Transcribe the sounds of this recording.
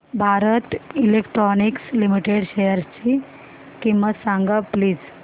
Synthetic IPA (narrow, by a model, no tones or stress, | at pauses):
bʱaɾət̪ilekʈɾɔnikslimiʈeɽɕejəɾt͡ɕi | kimʋasãŋɡapliːd͡z